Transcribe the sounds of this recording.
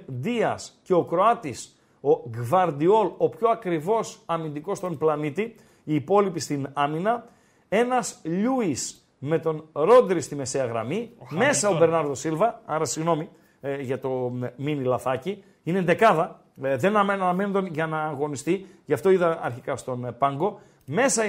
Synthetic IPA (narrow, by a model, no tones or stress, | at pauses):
d̪iɐsce̞o̞kɾo̞ɐt̪is | o̞ɡvɐɾd̪io̞lo̞pço̞ɐkɾivo̞sɐmind̪iko̞st̪o̞nplɐnit̪i | iːpo̞lipist̪inɐminɐ | e̞nɐsʎuis | me̞t̪o̞nɾo̞d̪ɾist̪ime̞se̞ɐɣɾɐ̰mime̞ssɐobe̞ɾnɐɾðo̞silvɐɐɾɐsiɣno̞mi | ʝɐt̪o̞minilɐθɐci | inend̪e̞kɐðɐ | ðennɐnɐmenend̪onʝɐnɐːɣo̞nist̪iʝɐft̪o̞iðɐɐ̰ɾçikɐst̪o̞npɐŋɡo̞ | me̞sɐ